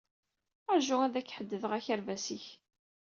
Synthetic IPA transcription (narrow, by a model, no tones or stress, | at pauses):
əɾʒʊæðækːħəd̪ːəðəʁæçæɾvæsiç